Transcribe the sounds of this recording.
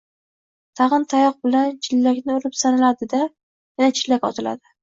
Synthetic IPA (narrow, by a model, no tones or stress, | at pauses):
t̪ʰɑʁɨnt̪ʰajɒq̚bɪlant͡ʃʰɪlːakʲnɪolɪpsanɪlad̪ɪd̪a | janat͡ʃʰɪlːakʲɒ̰t̪ʰɪla̰d̪ɪ